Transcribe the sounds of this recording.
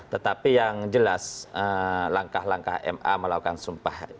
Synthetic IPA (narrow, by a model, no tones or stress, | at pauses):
t̪ət̪apijaŋd͡ʒəlasəlaŋkahlaŋka̰hɛ̰ma̰məlaukansumpah